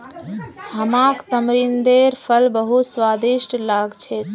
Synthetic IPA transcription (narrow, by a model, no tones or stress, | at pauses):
ɦəmakt̪əmɾind̪eɾpʰəlbəɦuswad̪iʃʈlaɡt͡ʃʰɛt̪